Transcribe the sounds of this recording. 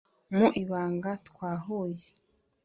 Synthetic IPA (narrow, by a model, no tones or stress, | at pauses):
muʔiβaːŋɡatwaːɦuːje̥